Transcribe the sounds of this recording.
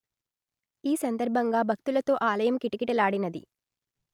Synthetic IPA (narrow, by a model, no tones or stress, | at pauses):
iːsɐnd̪ɐɾbʱɐŋɡaːbʱɐk̚t̪ulɐt̪o̞ːʔaːlɐjɐmkiʈikiʈɐlaːɽinɐd̪ḭ